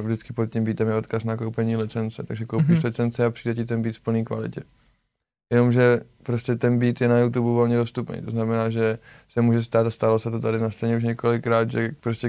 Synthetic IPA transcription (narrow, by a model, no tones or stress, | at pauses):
vdɪt͡skɪpo̞t̪̚cʲimbiːt̪ɛmjɛo̞t̪kasnakowpɛɲiːlɪt͡sɛnt͡sɛt̪aɡʒɛkowpɪʃʃlɪt͡sɛnt͡sɪapr̥iːdɛcɪt̪ɛnbiːt̪fpl̩niːkva̰lɪ̰cɛ | jɛno̞mʒɛpɾo̞scɛt̪ɛnbiːt̪jɛnajut̪̬ubuvo̞lɲɛdo̞st̪upnḛjt̪oznamɛnaːʒɛsɛmuːʒɛst̪aːt̪ast̪alosɛt̪o̞t̪adɪnast͡sɛɲɛuʃ̬ɲɛko̞lɪkɾaːd̪ʒɛpɾo̞scɛ